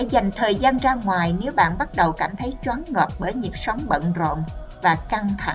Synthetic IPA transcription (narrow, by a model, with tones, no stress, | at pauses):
a˧˥za˨˩jŋ̟t̪ʰəː˨˩jzaː˧nzaː˧ŋwaː˨˩jne˨˦wɓa̰ː˧˨nɓa˦˥t̚ɗə˨˩wkaː˧˩mt̪ʰə˨˦jt͡ɕwaː˨˦nŋɔ˨˩p̚ɓəː˧˩jɲi˨˩ət̚sə˨˦wŋ͡mɓə̰˧˨nzo̰˧˨n | vaː˨˩ka˧ŋt̪ʰa̰˧˨